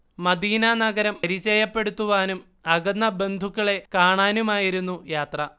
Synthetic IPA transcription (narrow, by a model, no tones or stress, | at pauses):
mɐd̪iːnɐnɐɡɐɾɐmɐɾit͡ɕːɐjɐpːe̞ɽut̪ːuʋaːnum | ɐɡɐnːɐbe̞nd̪ʱukːɐɭe̞kaːɳaːnumaːjiɾunːujaːt̪rɐ